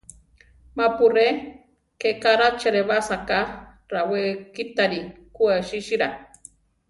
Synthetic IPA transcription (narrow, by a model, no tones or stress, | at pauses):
mapure | kekaɾat͡ʃeɾeβasaka | ɾawekit̪aɾikuaʃiʃiɾa